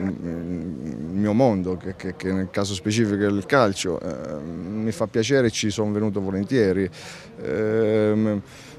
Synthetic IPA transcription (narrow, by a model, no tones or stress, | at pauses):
lmiːomond̪okekekːenːelkaːs̬ospet͡ʃiːfikoelkalt͡ʃo̰ʔ | mːifapːjat͡ʃɛːɾet͡ʃːisonvenuːt̪̬ovolent̪jɛːɾi